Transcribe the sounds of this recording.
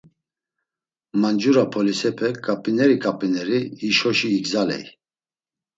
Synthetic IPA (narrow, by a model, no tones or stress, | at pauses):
mand͡ʒuɾapʰɔlisɛpʰɛkʼapʼinɛɾikʼapʼinɛɾiːʃɔʃiːɡzalɛ̰j